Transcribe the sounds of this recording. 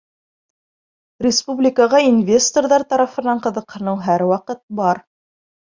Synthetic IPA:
rʲɪspublʲɪkəʁɑinvʲest̪orðɑɾt̪ɑɾɑfɤ̆nɑɴqɤ̆ðɤ̆qhɤ̆nɤwɦæɾwɑqɤt̪̚bɑɾ

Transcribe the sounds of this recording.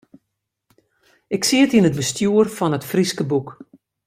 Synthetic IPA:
ɪksiətinət̚bəstjuərfɔnətfriskəbuk

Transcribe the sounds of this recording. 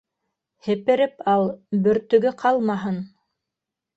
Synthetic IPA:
hɘ̆pɘ̆ɾɘpɑlˠbɵ̆ɾt̪ɵ̆ɡɘqʰɑlˠmɑɦɤn

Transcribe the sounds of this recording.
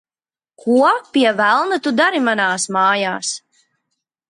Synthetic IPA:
kʰuɔpiɛvælˠnat̪ud̪aɾimanaːsmaːjaːs

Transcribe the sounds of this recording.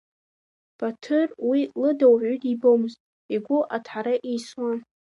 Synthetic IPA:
b̥atʰɨrwilɨdawʕʷydibomɨztʼ | iɡʷʊʔatʰħaɾaʔijswan

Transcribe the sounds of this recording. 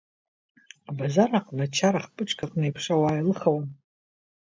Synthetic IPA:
abazaraqʼnat͡ʃʰaɾaχpʼɨʈ͡ʂʼkʰʼaqʼnejpʰʂawaːjlɨχawan

